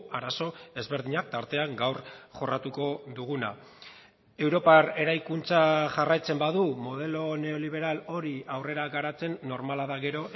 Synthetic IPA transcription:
aɾaso̞e̞zβe̞ɾðiɲak̚t̪aɾt̪e̞aŋɡawrʝo̞rat̪uko̞ðuɣ̞una̰ | e̞wɾo̞pare̞ɾajkunt͡saʝarajt͡se̞mbaðumo̞ð̞e̞lo̞ne̞o̞liβ̞e̞ɾalo̞ɾiawre̞ɾaɡaɾat͡se̞nːo̞ɾmalaðaɣe̞ɾo̞

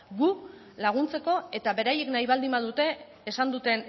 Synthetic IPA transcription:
ɡu | laɣ̞unt͡se̞ko̞e̞t̪aβe̞ɾajeknajβald̪imbaðut̪e̞ː | sand̪ut̪e̞n

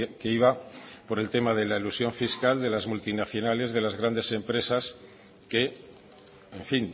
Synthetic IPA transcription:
keiβapo̞ɾe̞lt̪emað̞e̞lailusjo̞ɱfiskald̪e̞lazmult̪inaθjo̞nale̞zð̞e̞lazɣ̞ɾand̪e̞se̞mpɾe̞sas | ke̞ | eɱfin

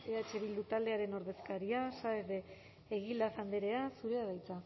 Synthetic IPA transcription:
eat͡ʃe̞βild̪ut̪ald̪e̞aɾe̞no̞ɾðe̞skaɾiasaeɾðeː | ɣild̪aθand̪eɾe̞asuɾe̞aðajt͡sa

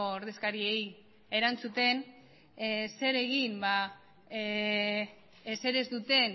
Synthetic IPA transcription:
ooɾðe̞skaɾie̞j | e̞ɾant͡sut̪e̞n | se̞ɾe̞ɣ̞imba | ese̞ɾe̞zd̪ut̪e̞n

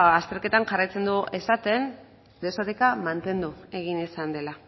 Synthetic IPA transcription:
ast̪e̞ɾke̞t̪aŋʝarajt͡se̞nd̪uʔe̞sat̪e̞n | d̪esoɾekamant̪e̞nd̪ue̞ɣ̞inisand̪e̞la

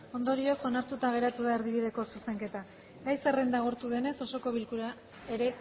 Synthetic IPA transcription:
o̞nd̪o̞ɾio̞so̞naɾt̪ut̪aɣe̞ɾat̪uðae̞ɾðiβiðe̞ko̞suse̞ŋke̞t̪a | ɡajsere̞nd̪aɣoɾt̪uðe̞ne̞so̞so̞ko̞βilkuɾa | e̞ɾe̞

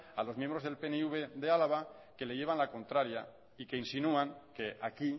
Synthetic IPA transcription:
alo̞zmjẽmbɾo̞zðelpeneuβ̞eðealaβ̞a | ke̞le̞ʝe̞β̞anlako̞nt̪ɾaɾja | ike̞insinuaŋkeaki

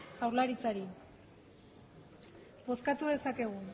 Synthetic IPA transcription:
ʝawɾlaɾit͡saɾi | bo̞skat̪uðe̞sake̞ɣ̞u

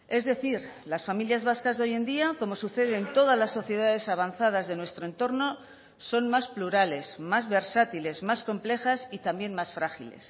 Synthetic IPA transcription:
e̞zðe̞θiɾ | lasfamiljazβaskazðo̞je̞nd̪iako̞mo̞suθe̞ðe̞nt̪o̞ðazlasːo̞θje̞ðaðe̞saβ̞anθað̞azðe̞nwe̞st̪ɾoent̪o̞ɾno̞ | so̞nmaspluɾale̞smazβe̞ɾsat̪ile̞zmasko̞mple̞xasit̪ambjenmasfɾaxile̞̰s

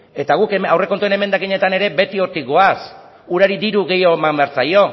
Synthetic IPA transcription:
e̞t̪aɣ̞ukeawre̞kont̪uene̞me̞nd̪akiɲe̞t̪ane̞ɾe̞be̞t̪io̞ɾt̪iɡo̞as | uɾaɾid̪ðiɾuɣe̞joemambeaɾt͡sajo̞

